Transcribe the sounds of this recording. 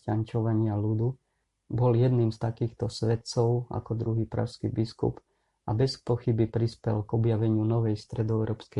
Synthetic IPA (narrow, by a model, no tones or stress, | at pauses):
ant͡ʃɔʋaɲɪalud̪u | bɔljɛd̪niːmst̪akiːxt̪ɔsʋɛt̪t͡sɔʊa̰kɔd̪ɾuɦiːpɾa̰ʃskḭbiskṵp | a̰bɛspɔxibipɾispɛlɡɔbjaʋɛɲɪunɔʋɛjst̪ɾɛd̪ɔɛʊɾʔɔːpskɛ